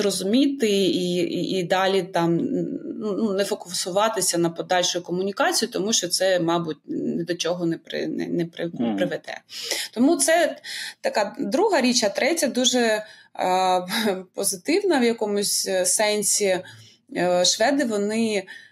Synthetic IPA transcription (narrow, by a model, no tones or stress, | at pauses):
rɔzʊmʲit̪ɪiiid̪ɑlʲit̪ɑmnununɛfɔkʊsʊʋɑt̪ɪsʲɐnɐpɔd̪ɑlʲʃʊjʊkɔmʊnʲikɑt͡sʲijʊt̪ɔmuʃt͡ʃɔt̪sɛmɑbʊt̚ʲnɛd̪ɔt͡ʃɔɦɔnɛpɾɪ̰nɛ̰nɛpɾɪnɛpɾɪʋɛd̪ɛ̰t̪ɔmut̪sɛt̪ɐkɑd̪ɾuɦɐɾʲit͡ʃɐt̪ɾɛtʲɐd̪uʒɛ | pɔzɪt̪ɪwnɐʋjɐkɔmʊsʲsɛnʲsʲi | ʃʋɛd̪ɪʋɔnɪ